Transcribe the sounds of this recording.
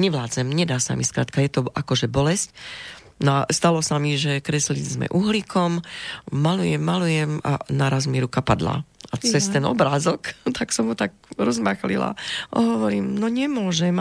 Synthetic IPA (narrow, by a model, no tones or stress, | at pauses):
ɲɛʋlaːt͡sɛmɲɛd̪aːsa̰miskɾa̰ːt̪kajɛt̪ɔʔakɔʒɛbɔlɛsc | nast̪alɔsamiʒɛkɾɛslid͡zzmɛ̰ʔuɦlikʰɔmː | alujɛmːalujɛma̰naɾazmiɾukapad̪la̰at͡sɛst̪ɛnɔ̰bɾaːzɔkt̪aksɔmɦut̪ak̚ | ɾɔzmaxlḭla̰a̰ɦɔʋɔɾiːmnɔɲɛmʊɔʒɛm